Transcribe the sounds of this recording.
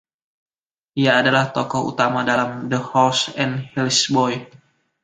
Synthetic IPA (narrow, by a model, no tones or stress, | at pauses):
ʔijaːdalaht̪ɔkɔhṵt̪amadalamdəhɔlsɛnhilsbɔj